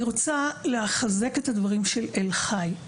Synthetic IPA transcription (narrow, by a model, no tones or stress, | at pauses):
ʁot͡sale̞haχaze̞ke̞t̪hadvaʁimʃelelχaj